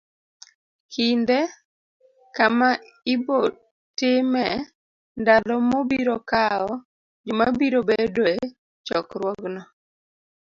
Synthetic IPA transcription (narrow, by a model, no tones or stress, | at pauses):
kʰinde | kama | ɪbo | tɪmɛ | ndalɔmobiɾɔkaɔ | d͡ʒomabiɾobedo | t͡ʃɔkɾwɔɡnɔ